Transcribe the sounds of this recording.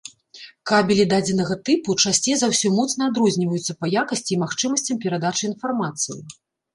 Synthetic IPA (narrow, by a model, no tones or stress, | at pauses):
kabʲɛlʲid̪ad͡zʲɛnɐɣɐt̪ɨput͡ʂasʲt͡sʲɛzawsʲɔmɔt̪snɐad̪ɾɔzʲnʲivɐjut̪sːɐpɐjakɐsʲt͡sʲiːmaxt͡ʂɨmɐsʲt͡sʲɐmpʲɛɾad̪at͡ʂɨin̪farmat̪sɨjḭ